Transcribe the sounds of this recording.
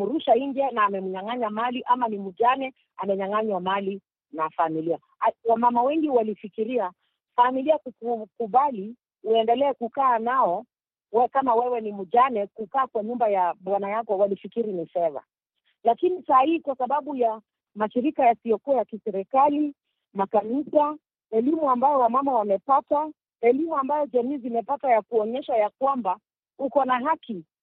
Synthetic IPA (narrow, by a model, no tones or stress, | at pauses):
muɾuʃaind͡ʒanaːmɛmuɲaŋaɲamaliʔamanimuʄanɛ | amɛɲaŋaɲwamali | nafamilia | wamamawɛŋɡiwalifikiɾia | familiakukukuɓali | uɛndɛlɛːkukaːnaɔ | wɛkamawɛwɛnimuʄanɛkukaːkwaɲumbajaɓwanajakɔwalifikiɾinifɛða̰ | lakinisahihikwasaɓaɓuja | maʃiɾikajasijɔkuwajakisɛɾikali | makanisa | ɛlimuambajɔwamamawamɛpata | ɛlimuambajɔd͡ʒamiːzimɛpatwajakuɔɲɛʃajakwamba | hukɔnaɦaki